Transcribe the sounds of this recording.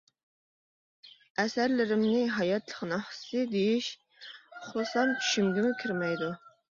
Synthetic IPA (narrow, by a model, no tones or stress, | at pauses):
ɛsæɾlɪɾɪmnɪɦɑjɑt̪lˠəχnɨhsɨd̪ejiʃ | ʊχlˠɨsɑmt͡ʃʰy̥ʃymɡʲɪmʊkʲʰiɾmɛjd̪u